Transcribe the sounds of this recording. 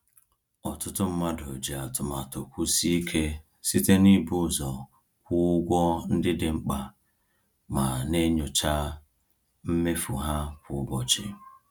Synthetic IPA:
ɔ˨tʊ˦tʊ˦m̩˦ma˦do˨d͡ʒe˨a˨tʊ˨ma˨to˨kʷu˦si˦kʰe˦ | si˦te˦ni˦bʊ˦˨zɔ˨ | kʷʊ˦ɡʷɔ˦n̩˦dɪ˦dɪ˨ŋ͡m̩˦k͡pa˨ | ma˨ne˦ɲʊ˨t͡ʃa˦ | m̩˦me˦fu˨ɦa˦kʷʊ˨ʊ˦bɔ˨t͡ʃɪ̰˨

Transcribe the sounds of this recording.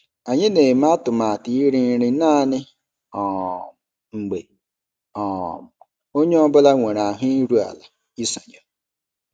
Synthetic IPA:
a˨ɲɪ˦ne˨m˦a˦tʊ˨ma˨a˨ti˨˦i˦ɾi˦n˦ɾɪ˦naː˦˨nɪ˦ | ɔ˨ | ŋ͡m̩˨ɡ͡be˨ | ɔ˨m˨ | o˦ɲe˦ɔ˦bʊ˦la˦ŋʷe˨ɾa˨ɦʊ˦i˦ɾu˦a̰˨la˨ | i˦so˨ɲɔ˨

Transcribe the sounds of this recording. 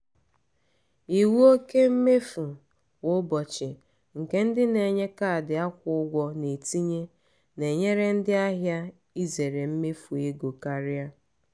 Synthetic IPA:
i˨wu˦o˦ke˦m̩˦me˦fu˨ | wʊ˦bɔ˨t͡ʃɪ˨ | ŋ̩˨ke˦n̩˦dɪ˦ne˨ɲe˦ka˦˨dɪ˨a˦kʷʊ˨˦ʊ˦ɡʷɔ˦ne˨ti˦ɲe˦ | ne˨ɲe˦ɾe˦n̩˦dɪ˦a˦ɦja˦ | i˦ze˨ɾe˨m̩˦me˦fu˨e˦ɡo˨ka˦ɾɪ˦a˦

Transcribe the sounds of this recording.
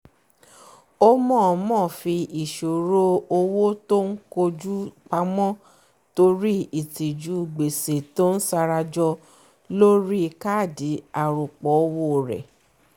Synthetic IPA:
o˦mɔ̃˦˨˧mɔ̃ː˦˨fi˧i˨ʃo˨ɾo˦o˧wo˦to˦ŋ̩˦ko˧d͡ʒu˦k͡pa˧mɔ̃˦ | to˧ɾi˦i˦˨ti˨d͡ʒu˨˦˧ɡ͡be˨se˨to˦n̩˦sa˧ɾa˧d͡ʒɔ˧ | lo˦ɾi˦˧ka˦˨di˨˦a˨ɾu˨k͡pɔ˨˦o˧wo˧˨ɾɛ̰˨

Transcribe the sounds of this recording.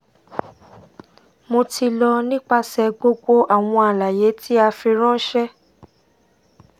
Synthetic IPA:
mo˧tʰi˧lɔ˧nĩ˦k͡pa˦sɛ˧ɡ͡bo˧ɡ͡bo˦ʔa˨w̃ɔ̃˧a˨la˨je˨˦tʰi˦a˧fi˧ɾ̃ɔ̃˦n̩˦ʃɛ˦

